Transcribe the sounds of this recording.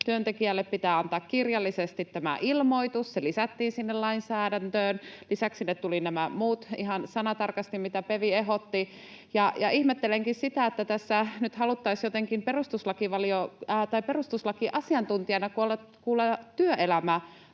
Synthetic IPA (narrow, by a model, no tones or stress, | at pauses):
t̪yønt̪ekiælːeppit̪æːɑnt̪ɑːkkirjɑlːisest̪it̪tæmæ̰ʔilmo̞it̪usselisæt̪ːiːnsinːellɑinsæːdænt̪øːnlisæksinet̪t̪ulinæmæmuːt̪iɦɑnsɑnɑt̪ɑrkɑst̪immit̪æpeʋieɦot̪ːi | jɑjɑihmet̪ːeleŋkissit̪æet̪ːæt̪æsːænyt̪hɑlut̪ːɑisjot̪eŋkimperust̪uslɑkiʋɑliot̪ɑiperust̪uslɑkiʔɑsiɑnt̪unt̪iɑnɑkuolekuːlet̪yøʔelæmæ